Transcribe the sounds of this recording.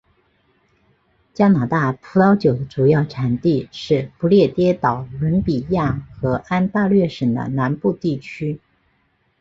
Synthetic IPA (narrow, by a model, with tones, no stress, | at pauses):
t͡ɕja˥na˨˩t̪a˥˩pʰu˧˥t̪ɑ˥ʊt͡ɕjo˨˩ʊd̪ə˦ʈ͡ʂu˨˩jɑ˥˩ʊʈ͡ʂʰa˨˩nt̪i˥˧ʂɻ̩˥˩pu˧˥ljɛ˥˩t̪jɛ˥t̪ɑ˨˩ʊlə˧˥npi˨˩ja˥˩xɤ˧˥ʔa˥nt̪a˥˧lɥɛ˥˩ʂə˨˩d̪ə̰˦na˧˥npu˥˧t̪i˥˩t͡ɕʰy˥